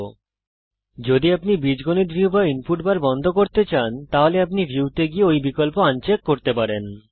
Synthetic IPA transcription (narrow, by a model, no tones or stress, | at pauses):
d͡ʑod̪iapnibɾid͡ʑɡoniɾbʱibainpuʈbaɾbɔnd̪ʱokoɾt̪et͡ɕant̪aɦoleapnibʱuwt̪eɡieojbikolpoant͡ɕekːoɾt̪epaɾen